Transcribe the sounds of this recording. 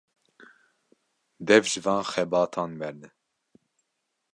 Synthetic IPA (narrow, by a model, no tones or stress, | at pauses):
d̪ɛvʒɨvɑ̃ːnxɛbɑːt̪ʰɑːnmɛɾd̪ɛ